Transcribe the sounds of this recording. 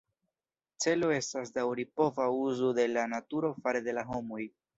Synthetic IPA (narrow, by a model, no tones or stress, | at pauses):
t͡se̞lo̞e̞stas̬dawɾipo̞vauzode̞lanatuɾo̞faɾed̪e̞laɦo̞moj